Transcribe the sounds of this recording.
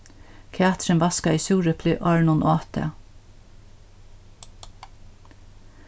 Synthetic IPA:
kʰeːt̪ɾənʋɑskɑiːsuːɾəpʰlʏʔɑɹɳʊnʔoːt̪ʰə̰

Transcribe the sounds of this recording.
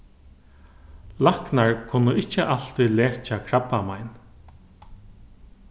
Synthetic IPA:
lahknaɹkʰʊnːʊɪht͡ɕːəʔal̥t̪ilɛːɹt͡ʃakʰɹapːamajn

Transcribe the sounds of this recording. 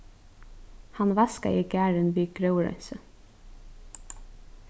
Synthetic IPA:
hanʋaska̰ʔiːɡæːɹɪnʋiːɡɾœwɹœ̰nsə

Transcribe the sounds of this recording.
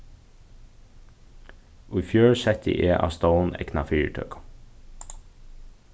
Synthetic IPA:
ujfjøːɹsɛt̪ə̰ʔeːʔa̰ːst̪oʊnɛ̰knafiːɹt̪ʰœ̰ːkʊ̥

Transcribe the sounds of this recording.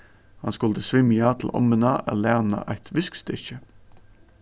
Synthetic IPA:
hɑnskʊld̪əsʋɪmjɑːt̪ʰl̩ʔɔ̰mənɑːʔæ̰læːnɑ̰ʔæɪt̪ʰʋɪskst̪ɪçə

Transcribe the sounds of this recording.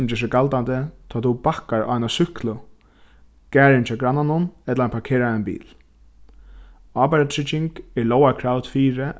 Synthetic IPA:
ʊmd͡ʒɛːʂ̬ɪɡalt̪ant̪ɪt̪ʰɔːt̪ubahkaɹʔa̰ːnasʏhklʊ | kæːɾɪnt͡ʃʰaːɡɾanːanʊnɛt̪laapʰaɹkʰeːɾaanbḭːl | aːpaɾat̪ʰɹɪt͡ʃːɪŋkɛɹlɔːwakʰɾawt̪fiːɾɪ

